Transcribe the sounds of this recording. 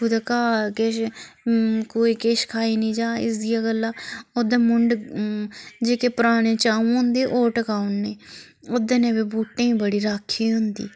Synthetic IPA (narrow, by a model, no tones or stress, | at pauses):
ud̪akaːkeʃ | koːiːkeːʃkʰaːiːnĩːd͡ʒaːɪ̰sd̪ɪjaːɡəlːãːod̪ẽːmʊɳɖ | d͡ʒeːkeːpəɾaːɽ̃eːt͡ʃaːũɦʊ̃nd̪eːʔoːʈəkaːʊnːẽː | od̪enẽːʋeːbuːʈːẽːĩːbəɽiːɾaːkʰːiːɦʊ̃nd̪ḭː